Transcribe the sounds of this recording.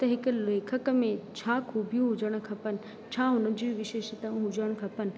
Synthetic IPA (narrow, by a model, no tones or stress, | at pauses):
t̪ɐɦɪkʊ̆leːkʰəkmẽt͡ɕʰaːkʰuːbʱijũɦʊd͡ʑəɽ̃̆kʰɐpənɪ̆ | t͡ɕʰaɦʊnəd͡ʑiːʋɪʃeːʃət̪ə̃ɦʊd͡ʑəɽ̃kʰɐpənɪ̆